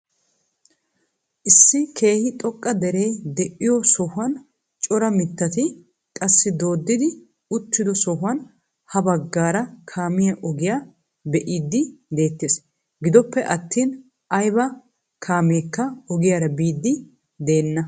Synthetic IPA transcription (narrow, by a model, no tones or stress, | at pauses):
ʔɪsːɪkʰe̞ːhɪt̪ʼɔkʼːɐd̪ɛɾejd̪ɛʔɪjɔsɔhʊɐn | t͡ʃʼɔɾɐmɪt̪ːɐt̪ɪ | kʼɐsːɪd̪o̞ːd̪ːɪd̪ɪ | ʊt̪ːɪd̪ɔsɔɦʊwɐn | hɐbɐɡːaːɾɐkʰaːmɪjɐʔɔɡɪjaː | bɛʔiːd̪ːɪd̪e̞ːt̪ːeːs | ɡɪd̪ɔpːɛʔɐt̪ʰːiːn | ʔɐjbɐ | kʰaːmeːkːɐɔɡɪjaːɾɐbiːd̪ːɪ | d̪e̞ːnːɐ